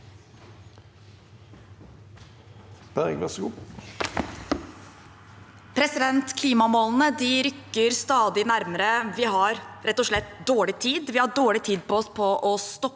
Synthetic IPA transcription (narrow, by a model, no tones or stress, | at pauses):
b̥æʁɪŋlɑsɡuː | pʰɾɛsɪd̪ɛnt̪kʰliːmɑmoːln̩əd̪ɪɾʏkːəɾst̪ɑːd̪ɪnæɾməɾəʋɪɦɑɾɾɛt̪ːɔʂɭɛt̪d̪oːɭɪt̪ʰiːd̪ʋɪhɑɖoːɭɪt̪ʰiːd̪̚pʰɔɔspʰɔʔɔst̪ɔ